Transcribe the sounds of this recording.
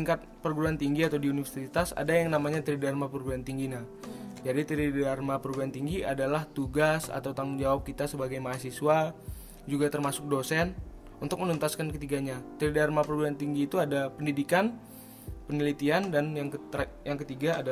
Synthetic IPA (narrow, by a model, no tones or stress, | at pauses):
iŋkat̪̚pərɡuɾuant̪iŋɡiat̪awdiunifərsit̪asa̰dajaŋnamaɲat̪əɾidarmapərɡuɾuant̪iŋɡina | d͡ʒadit̪əɾidarmapərɡuɾant̪iŋɡia̰dalaht̪uɡasa̰t̪awt̪aŋuŋd͡ʒawap̚kit̪asəbaɡajmaasiswa | d͡ʒuɡat̪ərmasʊk̚dosɛn | unt̪ʊk̚mənunt̪askankət̪iɡaɲat̪əɾidarmapərɡuɾuant̪iŋɡiːt̪uadapəndidikan | pənəlit̪iandanjaŋkjaŋkət̪iɡaːda